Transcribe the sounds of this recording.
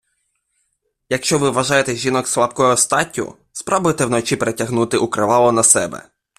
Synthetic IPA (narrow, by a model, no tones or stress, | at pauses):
jɐkʃt͡ʃɔʋɪʋɐʒɑjet̪ɛʒʲinɔkslˠapkɔjʊɔst̪ɑtʲːʊ̰ | spɾɔbʊjet̪ɛwnɔt͡ʃipeɾetʲɐɦnut̪ɪʔukɾɪʋɑlˠɔnɐsɛbɛ̰